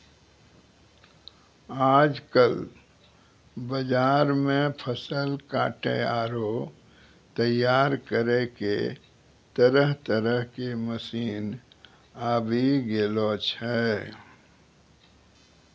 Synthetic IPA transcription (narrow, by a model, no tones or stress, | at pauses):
aːd͡ʒkəl | bəd͡ʒaːɾmẽpʰəsəlkaːʈḛaːɾo | t̪əjaːɾkəɾekḛ | t̪əɾəɦt̪əɾəɦkeməsiːn | aːbʱiɡelot͡ʃʰɛ